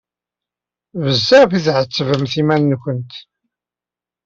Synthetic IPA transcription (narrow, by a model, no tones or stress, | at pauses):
vəzːaʁfiθʕət͡sːəvəmθimænːkʷənt̪